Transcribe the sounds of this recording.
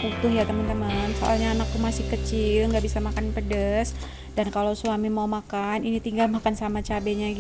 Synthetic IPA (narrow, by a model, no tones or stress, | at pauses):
ut̪ʊhjat̪əmənt̪əmənsoʔa̰lɲaːnak̚t̪umasɪhkət͡ʃɪlŋɡabisamakanpədəs | dankalowsuamimaumakaninit̪iŋɡalmakansamat͡ʃabeɲaɡ